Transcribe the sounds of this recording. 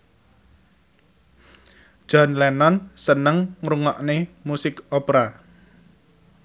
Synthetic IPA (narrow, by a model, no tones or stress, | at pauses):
ʒ̥ɔ̤nlɛnɔnsənəŋːɾuŋɔʔnemusɪkɔpɾa